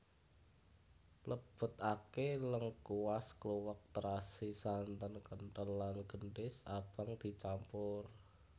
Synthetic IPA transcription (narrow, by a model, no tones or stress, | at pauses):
ləb̥ʊ̤t̪akeləŋkuwaskluwək̚t̪əɾasisant̪ənkənt̪ənlanɡ̥əɳɖɪsab̥aŋd̪̥i̤t͡ʃampʊr